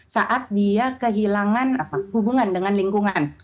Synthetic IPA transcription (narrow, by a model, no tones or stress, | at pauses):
saʔat̪̚biakəɦilaŋanapahubuŋandəŋanliŋkuŋan